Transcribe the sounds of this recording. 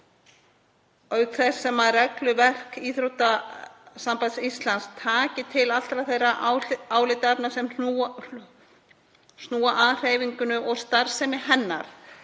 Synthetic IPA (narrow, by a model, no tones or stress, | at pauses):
œɥkθɛssːɛmaðrɛklʏvɛr̥kiːθɾowt̪asampajðsist̪lanst̪ʰaːcɪt̪ʰɪlal̥t̪ɾaðθejraʔaːwlɪt̪ɛpnasɛmu | snuːaʔaðr̥eːjviɲkʏnʏʔɔɣst̪aɾ̥sɛmɪhɛnːa̰ɾ̥